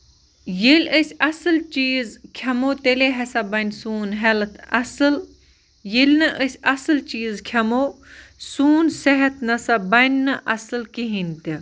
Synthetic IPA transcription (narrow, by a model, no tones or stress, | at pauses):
jilʲəsʲɐsɨlt͡ʃiːzkʲʰɐmoːt̪eleɦɐsabɐnʲsuːnɦelt̪ʰɐsɨl | jilʲnɨʔəsʲɐsɨlt͡ʃiːzkʲʰɐmoːsuːnsɐɦɐt̪nɐsabɐnʲːɨʔɐsɨlkiɦinʲt̪i